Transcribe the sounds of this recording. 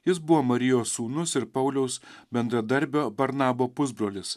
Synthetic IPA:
jɪsbʊʋoːmɐɾʲɪjoːsuːnʊsɪɾpɐʊlʲɛʊsbʲɛnd̪ɾɐd̪ɐɾʲbʲoːbɐɾnɑːboːpʊzbɾoːlʲɪs

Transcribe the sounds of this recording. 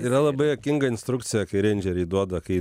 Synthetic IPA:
iɾɐlˠɐbɐɪɐkʲɪŋɡɐɪnʲsʲt̪ɾʊkt̪sʲɪjɛkɐɪɾʲɛnʲd͡ʒʲɛɾʲiːd̪uɔd̪ɐkɐɪ

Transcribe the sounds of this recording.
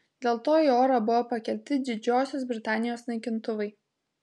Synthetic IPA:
d̪ʲeːlˠt̪oːioːɾɐbʊʋoːpɐkʲɛl̚ʲt̪ʲɪd̪ʲɪd͡ʒʲoːsʲosbʲɾʲɪt̪ɑːnʲɪjoːsnɐɪkʲɪnt̪ʊʋɐɪ

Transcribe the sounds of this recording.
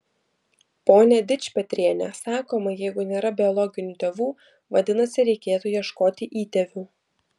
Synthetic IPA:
poːnʲɛd̪ʲɪt͡ʃʲpʲɛt̪ʲɾʲiɛnʲɛ̰sɑːkoːmɐjɛɪɡʊnʲeːɾɐbʲɪɔlˠɔɡʲɪnʲuːt̪ʲeːʋuː | ʋɐd̪ʲɪnɐsʲɪɾʲɛɪkʲeːt̪uːjiɛʃkoːt̪ʲɪʔiːt̪ʲɛʋʲuː

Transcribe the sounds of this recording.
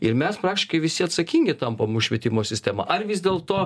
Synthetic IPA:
ɪɾmʲɛspɾɑːk̚tʲɪʃkɐɪʋʲɪsʲɪɐt̪sɐkʲiːŋʲɡʲɪt̪ɐmpomʊʃʃʲʋʲɛt̪ʲɪmoːsʲɪsʲt̪ʲæːmɑ̰ʔɐrʋʲɪzd̪ʲeːlˠt̪oː

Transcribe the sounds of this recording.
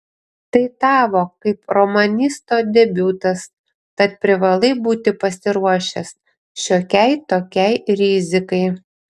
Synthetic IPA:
t̪ɐɪt̪ɑːʋoːkɐɪpɾɔmɐnʲɪst̪oːd̪ʲɛbʲuːt̪ɐs | kɐt̪̚pʲɾʲɪʋɐlˠɐɪbuːt̪ʲɪpɐsʲɪɾuɔʃʲɛs | ʃʲoːkʲɛɪt̪oːkʲɛɪɾʲɪzʲɪkɐɪ

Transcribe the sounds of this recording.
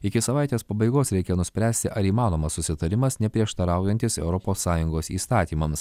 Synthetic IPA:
ɪkʲɪsɐʋɑˑɪt̪ʲeːspɐbɐɪɡoːsɾʲɛɪkʲɛnʊsʲpʲɾʲæːsʲt̪ʲɪʔɐɾiːmɑːnoːmɐsːʊsʲɪt̪ɐɾʲɪmɐsnʲɛpʲɾʲiɛʃt̪ɐɾɑˑʊjɛnʲt̪ʲɪsɛ̰ʊɾɔpoːsːɑːjʊŋɡoːsḭːst̪ɑːt̪ʲiːmɐms

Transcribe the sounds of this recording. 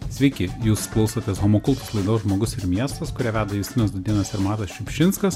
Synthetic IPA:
sʲʋʲɛɪkʲɪjuːsklˠɔʊsot̪ʲeːsɣoːmokʊlˠpɐslˠɐɪd̪oːʒmoːɡʊsɪɾmʲiɛst̪ɐskʊɾʲɛːʋʲæːd̪ɐjuːsʲt̪ʲɪnʲɐsd̪ʊd̪ʲiɛnɐsɪɾmɑːt̪ɐsʃʲʊpʲʃʲɪnskɐs

